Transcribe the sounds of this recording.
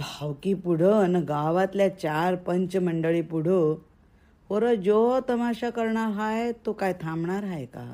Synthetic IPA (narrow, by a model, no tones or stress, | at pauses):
bʱawkipuɽ̤ənɡaʋat̪ljat͡ɕaɾpəɲt͡ɕməɳɖəɭipuɽ̤o | əɾəd͡zot̪əmaɕakəɾɳaɦajt̪okajt̪ʰãmɳaɾɦajka̰